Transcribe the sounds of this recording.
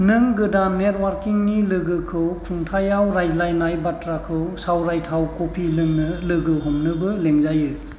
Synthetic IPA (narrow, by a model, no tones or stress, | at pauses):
nɯŋɡɯdannːet̚waɾkiŋnilɯɡɯkʰɯwkʰuŋtʰajawɾajzlajnajbatɾakʰɯwsawɾajtʰawkʰopʰilɯŋnɯlɯɡɯɦɔmnɯbɯleŋzajɯ